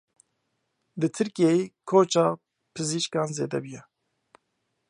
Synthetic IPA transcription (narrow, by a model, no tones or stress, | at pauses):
d̪ɨt̪ʰɨɾkijejeːkʰoːt͡ʃɑː | pʰɨziːʃkɑːnzeːd̪ɛbujɛ